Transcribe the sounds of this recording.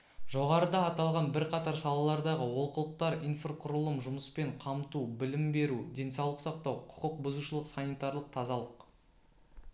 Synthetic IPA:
ʒo̞ʁɑɾəd̪ɑːt̪ɑlˠʁɑnbɪɾqʰɑt̪ɑɾsɑlˠɑlˠɑɾd̪ɑʁəwolˠqəlˠəq̚t̪ɑɾinfrqʰʊɾəlˠəmʒʊməspe̞ɴqʰɑmt̪ubɪlɪmbe̞ɾud̪e̞nsɑwlˠəqsɑqt̪ɑwqʰʊ̥qəq̚bʊzuʃəlˠəqsanijt̪aɾlˠəq̚t̪ʰɑzɑlˠəq

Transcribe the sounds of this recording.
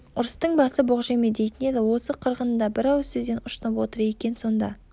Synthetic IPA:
ʊɾəst̪əɴbɑsəboʁʒemed̪ejt̪ɪne̞d̪ɪwo̞səqʰəɾʁənəd̪ɑbɪɾɑwsɵzd̪e̞nʊʃt̪ənəpwot̪əɾe̞kʲe̞nso̞nd̪ɑ̰

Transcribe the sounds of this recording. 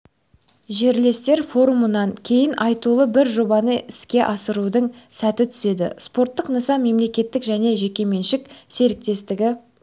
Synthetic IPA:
ʒe̞ɾle̞st̪e̞ɾfo̞ɾumənɑɴkʲʰe̞jɪnʔɑjt̪ulˠəbɪɾʒo̞bɑnəʔɪskʲe̞ʔɑsəɾud̪əɴsæt̪ɪt̪ʰʏ̥se̞d̪ɪ̰spo̞rt̪ːəqnəsɑmːe̞mle̞kʲe̞t̪ːɪkʒæne̞ʒe̞kʲe̞me̞nʃɪkse̞ɾɪk̚t̪e̞st̪ɪɡʲɪ

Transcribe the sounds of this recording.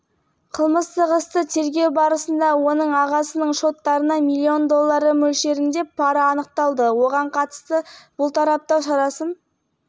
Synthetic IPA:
qʰəlˠməst̪əʁəst̪ət̪ʰe̞ɾɡʲe̞wbɑɾəsənd̪ɑwo̞nəɴɑʁɑsənəɴʃo̞t̪ːɑɾənɑmilʲːio̞nd̪o̞lˠːɑɾəmɵlʃe̞ɾɪnd̪e̞pʰːɑɾəɑnəq̚t̪ɑlˠd̪əwo̞ʁɑɴqʰɑt̪ə̥st̪əb̥ʊlˠt̪ʰɑɾɑp̚t̪ɑwʃɑɾɑsən

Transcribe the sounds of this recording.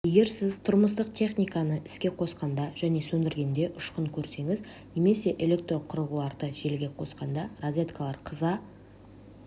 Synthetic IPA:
je̞ɡʲe̞ɾsɪzt̪ʰʊɾməst̪əq̚t̪ʲʰe̞χnijkɑnəʔɪskʲe̞qʰo̞sqɑnd̪ɑʒ̥æne̞sɵnd̪ɪɾɡʲe̞nd̪e̞ʔʊʃqəɴkʲʰɵɾse̞ŋɪz | ne̞me̞se̞ʔele̞k̚t̪ɾo̞qʰʊɾəʁəlˠɑɾd̪əʒe̞lɡʲe̞qʰo̞sqɑnd̪ɑrozʲve̞t̪kalˠɑɾqʰəzɑ

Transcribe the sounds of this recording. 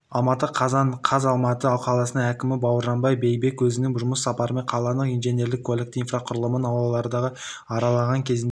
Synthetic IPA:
ɑlˠmɑt̪əqʰɑzɑnqʰɑzɑlˠmɑt̪əɑwqʰɑlˠɑsənəŋækʲɪmɪbɑwəɾʒɑnbɑjbe̞jbe̞kwɵzɪnɪŋʒʊməsɑpɑɾəme̞ɴqʰɑlˠɑnəqijnʒenje̞ɾlɪkʰːoe̞kt̪infraqʰʊɾəlˠəmənɑwlˠɑlˠɑɾd̪ɑʁə | ɑɾɑlˠɑʁɑŋkʲʰe̞zɪn

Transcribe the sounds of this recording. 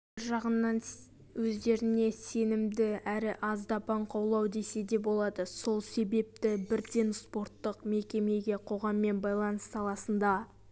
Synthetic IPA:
ɪɾʒɑʁənːɑn | wɵzd̪e̞ɾɪne̞se̞nɪmd̪ɪæɾɪʔɑzd̪ɑpɑɴqʰɑwlˠɑwd̪e̞se̞d̪e̞pbo̞lˠɑd̪əso̞lˠse̞be̞p̚t̪ɪbɪɾd̪e̞nspo̞ɾt̪ːəqme̞kʲe̞me̞ɡʲe̞qʰo̞ʁɑmːe̞nbɑjlˠɑnəsːɑlˠɑsənd̪ɑ

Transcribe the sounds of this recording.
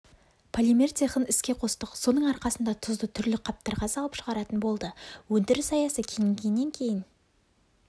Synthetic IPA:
pʰolʲimert̪ʰe̞χənɪskʲe̞qʰo̞st̪əqso̞nəɴɑɾqɑsənd̪ɑt̪ʰʊzd̪ət̪ʰʏɾlɪqʰɑp̚t̪əɾʁɑsɑlˠəpʃəʁɑɾɑt̪ənbo̞lˠd̪əwɵnd̪ɪɾɪsɑjɑsəkʲʰej̪ɪŋɡʲejɪnːe̞ŋkʲʰe̞jɪn

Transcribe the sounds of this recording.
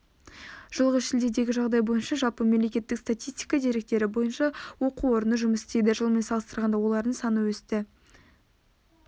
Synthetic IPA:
ʒ̥əlˠʁəsʃɪld̪ed̪e̞ɡʲɪʒɑʁd̪ɑjbo̞jənʃɑʒɑlˠpəme̞mle̞kʲe̞t̪ːɪkst̪at̪ʲijst̪ijkɑd̪e̞ɾe̞k̚t̪e̞ɾɪbo̞jənʃɑwo̞quwo̞ɾənəʒʊməsɪ̥st̪e̞jd̪ɪʒəlˠme̞nsɑlˠəst̪əɾʁɑnd̪ɑwo̞lˠɑɾd̪əɴsɑnəwɵst̪ɪ

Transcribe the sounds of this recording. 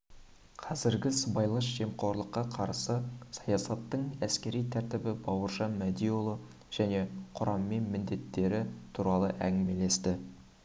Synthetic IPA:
qʰɑzɪɾɡʲɪsəbɑjlˠəʃʒ̥e̞mqʰo̞ɾlˠəqːɑqʰɑɾsəsɑjɑsɑt̪ːəɴæskʲe̞ɾijt̪ʰæɾt̪ɪbɪbɑwəɾʒɑnmæd̪ijolˠə | ʒ̥æne̞qʰʊɾɑmːe̞nmɪnd̪e̞t̪ːe̞ɾɪt̪ʰuɾɑlˠəʔæŋɡʲɪmele̞st̪ɪ

